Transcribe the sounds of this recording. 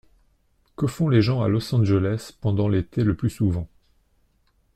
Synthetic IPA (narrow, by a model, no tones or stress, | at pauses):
kəfɔ̃leʒɑ̃a̰lɔsɑ̃ʒelɛspɑ̃d̪ɑ̃let̪eləplysuvɑ̃